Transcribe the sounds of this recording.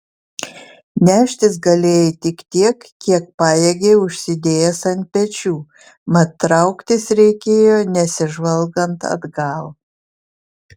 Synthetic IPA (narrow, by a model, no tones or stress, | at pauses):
nʲæːʃʲt̪ʲɪsɡɐlʲeːjɛt̪ʲɪkt̪ʲiɛkkʲiɛk̚pɑːjeɡʲeːʊʃʲsʲɪd̪ʲeːjɛsɐn̚ʲpʲɛt͡ʃʲuː | mɐt̪ːɾɐʊkt̪ʲɪsɾʲɛɪkʲeːjoːnʲɛsʲɪʒʋɐlˠɡɐnt̪ɐ̰d̪ɡɐlˠ